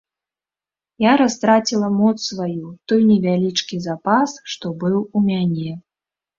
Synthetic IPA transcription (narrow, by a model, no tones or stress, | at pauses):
jaɾast̪ɾat͡sʲilˠɐmɔt̪ssvajut̪ɔjnʲɛvʲalʲit͡ʂkʲizapasʂt̪ɔbɨwumʲanʲɛ